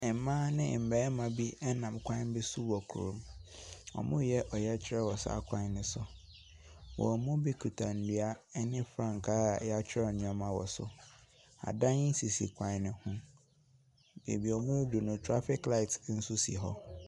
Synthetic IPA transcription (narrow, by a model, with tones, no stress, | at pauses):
ɛ˨mã˦nɪ̰̃˦˨m̩˨bɛː˨˦mã˨bi˦ɛ˦nã˨m˨kʷʰã˦n˦bɪ˦sʊ˦wɔ˨kʰu˨ɾṵ̃˨m | ɔ̰˨mʊ̃˦jɛ˦ʔɔ˨jɛ˦t͡ɕʰɪ˦ɾɛ˦wɔ˨sa̰˦kʷʰã˦nɪ̃˨sʊ˨ | wɔ̰˨mʊ̃˦bi˦kʰu˨tʰã˨n̩˨dɥa˦ɛ˦nɪ̃˦fɾã˦ŋ˨kʰaː˦˨jɛ˦a˦t͡ɕᶣʰɪ˦ɛ˦ɔ˨nʊ̃˦˨a˨mã˨wɔ˨sʊ̰˨ | a̰˨dã˦ɲɪ˦n˦si˨si˨kʰʷã˨˦nɪ̃˨hũ˦ | bḛ˨bi˨ɔ˨mʊ̃˦du˨nʊ̃˨tʰɾa˦fɪ˦kla˦ɪ˨tn̩˦sʊ˦sḭ˨ɦɔ̰˦